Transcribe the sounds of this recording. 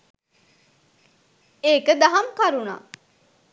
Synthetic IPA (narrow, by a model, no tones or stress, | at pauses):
eːkəd̪aɦamkaɾuna̰ː